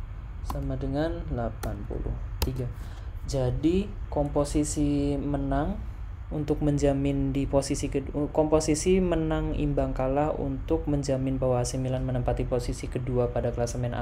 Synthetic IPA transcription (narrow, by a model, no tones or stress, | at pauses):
samadəŋanlapanpṵlʊ̰ht̪iɡa | d͡ʒadikɔmposisimənaŋ | unt̪ʊk̚məɲd͡ʒamɪndiposisikəkɔmposisimənaŋḭmbaŋkalaṵnt̪ʊk̚məɲd͡ʒamɪnbawaasimilanmənəmpat̪iposisikəduapadakəlasəmɛna̰